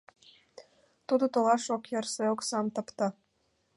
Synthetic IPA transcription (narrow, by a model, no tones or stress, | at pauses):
t̪ud̪ɤ̆t̪ŏlɑʃokjɑrseoksɑmt̪ɤ̆pt̪ɑ̆